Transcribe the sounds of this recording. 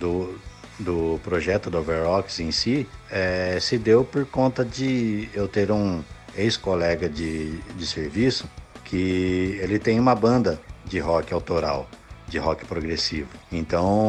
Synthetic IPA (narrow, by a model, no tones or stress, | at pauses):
d̪ʊd̪ʊpɾoʒɛt̪ʊd̪oveɾhɔksẽj̃siɛsɪd̪ewpoɾkõnt̪ɐd͡ʒɪewt̪eɾũejskolɛɡɐd͡ʒɪd͡ʒɪseɾvisʊ̥kʰɪelɪt̪ẽj̃ũmɐbɐ̃nd̪ɐd͡ʒɪɦɔkɪawt̪oɾa̰wd͡ʒɪɦɔkɪ̥pɾoɡɾesivʊẽnt̪ɐ̃w̃